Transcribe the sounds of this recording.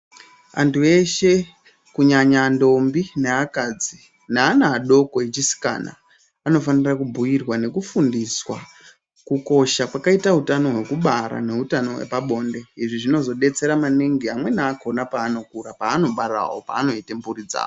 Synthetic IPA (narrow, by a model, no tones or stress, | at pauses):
a̰ntʰue̞ʃe̞ | kuɲaɲando̞mbineakad͡zi | naːnaːɗo̞ko̞et͡ʃisi̥ka̰na̰ | ano̞fanirakubʱujirwane̞kufundiswa | kuko̞ʃakwakaitaɦutano̞ɦwe̞kuɓaɾa̰ne̞ɦutano̞wḛpaɓo̞nde̞iʐiʐino̞zo̞ɗe̞t͡se̞ɾamaneŋɡiamwe̞naːko̞napaːno̞kuɾapaːno̞ɓaɾa̰wo̰pa̰ːno̞itemburid͡za̰ːo